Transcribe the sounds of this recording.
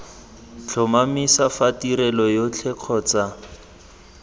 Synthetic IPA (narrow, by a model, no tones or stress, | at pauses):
t͡ɬʰɔmamisafatiɾɛlɔjot͡ɬʰɛq͡χʰɔːt͡sa